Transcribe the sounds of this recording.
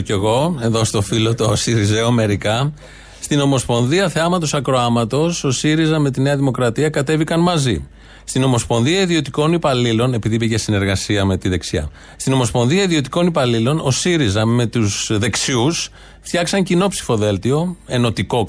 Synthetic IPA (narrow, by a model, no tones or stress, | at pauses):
e̞ɣo̞e̞ðost̪o̞filo̞t̪o̞siɾizeome̞ɾikɐ | st̪ino̞mo̞spo̞nðiɐθe̞ɐmɐt̪o̞sɐkɾoɐmɐt̪o̞so̞siɾizɐme̞t̪ine̞ɐðimo̞kɾɐt̪iɐkɐt̪e̞vikɐnmɐzḭ | st̪ino̞mo̞spo̞nðiɐiðio̞t̪iko̞nipɐlilo̞ne̞piðipiʝe̞sine̞ɾɣɐsiɐme̞t̪iðe̞ksiɐ̰ | st̪ino̞mo̞spo̞nðiɐiðio̞t̪i̥ko̞nipɐlilo̞no̞siɾizɐme̞t̪usðe̞ksius | ft̪çɐksɐɲcino̞psi̥fo̞ðe̞lt̪io̞e̞no̞t̪iko̞